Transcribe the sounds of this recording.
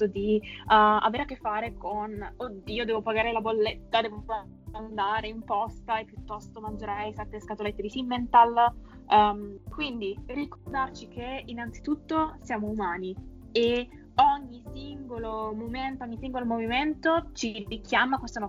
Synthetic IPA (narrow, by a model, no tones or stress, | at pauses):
t̪od̪i | a̰veːɾakːefːaːɾekonod̪iːod̪ɛːvopaɡaːɾelabolːet̪ːad̪ɛːvoa | and̪aːɾeimpɔst̪aepːjut̪ːɔst̪omand͡ʒeɾajsɛt̪ːeskat̪olet̪ːed̪isimːent̪al | mkwind̪irikord̪art͡ʃik̟einːant̪si̥t̪ut̪ːosjaːmoumaːni | e | ɔɲːisiŋɡolomoment̪oɔɲːisiŋɡolomoviment̪ot͡ʃikʰjamakwest̪onɔ